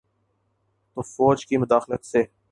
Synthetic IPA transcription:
t̪oːfɔːd͡ʒkimʊd̪aːxlət̪seː

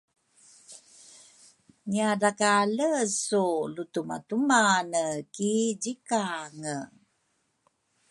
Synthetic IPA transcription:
ɲiaɾakaləsulutuma̰tumanəkiɟikaŋə

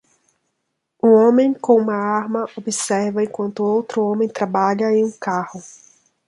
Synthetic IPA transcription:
ũõmẽj̃kõũmɐaɾmɐʔobɪsɛɾvɐẽkwɐ̃nt̪ʊowt̪ɾʊõmẽj̃t̪ɾabaʎɐẽj̃ũkahʊ

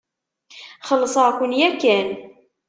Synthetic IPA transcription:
χəlːsˤəkʷənjækːæn

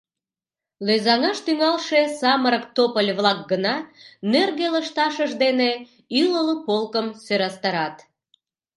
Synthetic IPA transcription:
lezɑŋɑʃt̪yŋɑlʃesɑməɾəkt̪opəlʲβlɑk̚ɡənɑnerɣeləʃt̪ɑʃəʒd̪ene | ylələpolkəmsøɾɑst̪ɑɾɑt̪

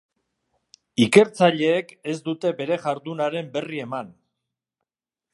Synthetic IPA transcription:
ike̞ɾt͡saʎe̞ːke̞zd̪ut̪e̞be̞ɾe̞ɣaɾðunaɾe̞mbe̞rie̞man

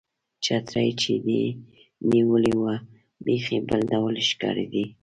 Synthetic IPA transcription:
t͡ʃɑt̪ɾajt͡ʃed̪e | niwəliwa | bexebəld̪awlʃkɑ̰ɾid̪i

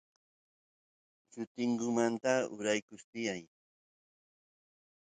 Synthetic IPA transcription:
t͡ʃʊt̪ɪŋɡʊmant̪aʊ̰ɾajkʊst̪ɪjaj

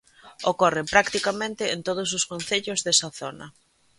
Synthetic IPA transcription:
okorempɾakt̪ikamẽnt̪ɪent̪oð̞ʊs̬ʊskonθeʎʊzðesaθonɐ̰

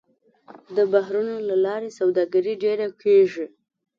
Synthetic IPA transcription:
d̪əbaɦɾunolalɑɾesawd̪ɑɡaɾiɖeɾakeʒi

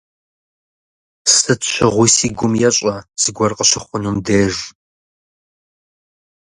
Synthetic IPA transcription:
sɨtɕʷʰɪʁʷʊsiːɡʷʊmjɛɕʼɐz̥ɨɡʷɔrqəɕɪχʷʊnumdeːʒ

